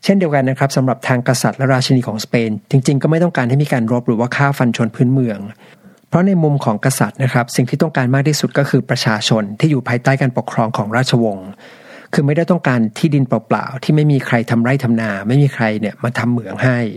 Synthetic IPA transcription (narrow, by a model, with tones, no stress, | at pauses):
t͡ɕʰe˥˩ndi˧əwka˧nː˦˥kʰɾa˦˥p̚sa˩˦mɾa˨˩p̚t̪ʰaː˧ŋka˧sa˨˩t̪̚lɛ˦˥ɾaː˧˩t̪̚t͡ɕʰa˧niː˧kʰɔː˩˦ŋspeː˧nt͡ɕi˧ŋt͡ɕi˧ŋkɔ˥˩ma˥˩jt̪ɔ˥˩ŋkaː˧nha˥˩jmiː˧kaː˧nɾo˦˥p̚ɾɯː˩˦waː˥˩kʰaː˥˩wfa˧nt͡ɕʰo˧npʰɯː˦˥nmɯ˧əŋ | pʰɾɔ˦˥na˧jmu˧mkʰɔː˩˦ŋka˧sa˨˩t̪̚na˦˥kʰɾa˦˥p̚si˨˩ŋt̪ʰiː˥t̪ɔ˥˩ŋkaː˧nmaː˥˩k̚t̪ʰiː˥˩su˨˩t̪̚kɔː˥˩kʰɯː˧pɾa˧t͡ɕʰaː˧t͡ɕʰo˧nt̪ʰiː˥˩uː˨˩pʰaː˧jt̪aː˥˩jkaː˧npo˨˩kʰɾɔː˧ŋkʰɔː˩˦ŋɾaː˥˩t͡ɕʰa˧wo˧ŋ | kʰɯː˧ma˥˩da˥˩jt̪ɔ˥˩ŋkaː˧nt̪ʰiː˥˩di˧npɔ˨˩pla̰ː˨˩wt̪ʰiː˥˩ma˥˩jmiː˧kʰɾa˧jt̪ʰa˧mɾa˥˩jt̪ʰa˧mnaː˧ma˥˩jmiː˧kʰɾa˧jni˥˩ɐmaː˧t̪ʰa˧mːɯ˨˩˦əŋha˥˩j